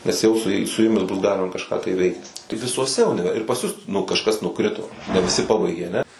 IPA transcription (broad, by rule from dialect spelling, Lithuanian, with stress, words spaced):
nʲɛs ˈjɛʊ sʊ ˈjɛɪ sʊ ˈjʊmʲɪs bʊs ˈɡɑːlʲɪmɐ kɐʃˈkɑː tɐɪ ˈʋʲɛɪkt tɐɪ ʋʲɪsuɔˈsʲɛ ʊnʲɪˈʋʲɛr ɪr pɐs ˈjʊs nʊ kɐʃˈkɐs nʊˈkrʲɪtoː nʲɛ ʋʲɪˈsʲɪ ˈpɑːbɐɪɡʲeː ɐˈnʲɛ